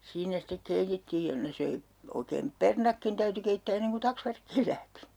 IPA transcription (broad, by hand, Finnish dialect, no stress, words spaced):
siːnæ sitːek keitetːiːj jɑ ne søi oikeːm pernɑkːin tæyty keitːæː enːeŋ ku tɑksʋærkːiːl læhti